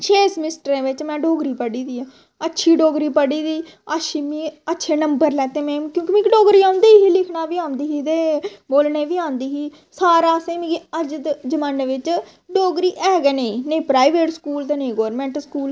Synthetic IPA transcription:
ʃʰeːsmɪsʈəɾẽːʋɪt͡ʃmɛ̃ːɖoːɡɾiːpəɽiːd̪iːaː | ətːʃʰiːɖoːɡɾiːpəɽiːd̪iː | əʃʰiːmĩːətːʃʰeːnəmbəɾlɛːt̪eːmɛ̃ːkjõːkimĩːkiɖoːɡɾiːãːʊ̃nd̪eːɦiːlɪkʰnaːʋiːãːnd̪iːɦiːt̪eːboːlneːʋiːãːnd̪iːɦiː | saːɾaːsẽːmĩːɡiəd͡ʒd̪d͡ʒəmənʋɪt͡ʃ | ɖoːɡɾiːʔɛːɡɛːneĩneĩːpɾaːiʋeːʈskuːlt̪eːnẽːɡoːɾmɛ̃ːɳʈəskuːl

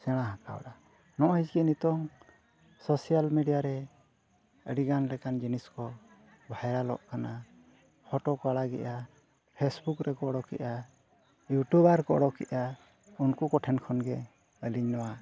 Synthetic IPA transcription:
sɛɽ̃aɦaka̰w̰ɗa | nɔʔhid͡ʒɡinit̪ɔŋ | sɔsijalmeɖijaɾɛ | ə̰ɽiɡanlɛkand͡ʒiniskɔ | bʱajɾalɔ̰ʔkana | hɔʈɔkaɽaɡɛ̰ʔa | pʰesbukɾɛkɔɔɽɔkɛ̰ʔa | juʈubaɾkɔ̰ɔɽɔkḭʔa | unkukɔʈʰɛnkʰɔnɡɛ | əliɲnɔwa

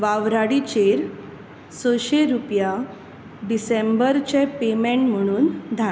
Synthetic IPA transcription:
ʋaʋɾaɽit͡ɕeɾ | səɕeɾupja | ɖisembəɾt͡ɕepemẽɳʈm̤əɽ̃uːnd̪ʱa

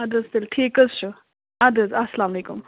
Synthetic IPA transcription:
ɐd̪ɐzt̪elʈʰeːkɐzt͡ʃʰu | ɐd̪ɐzɐsɐlaːmɐleːkum

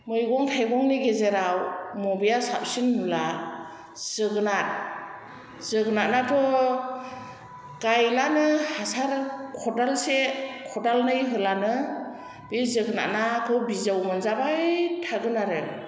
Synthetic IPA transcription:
mɯjɡɔŋtʰajɡɔŋniɡezeɾawmɔbijasa̰p̚sinmula | z̥ɯɡɯnat̚ | z̥ɯɡɯnat̚natʰɔ | ɡ̥ajlanɯhasaɾkʰɔdalsekʰɔdalnɯjɦɯlanɯ | b̥izɯɡɯna̰t̚natʰɔbizawmɯnzabajtʰaɡɯnaɾɯ

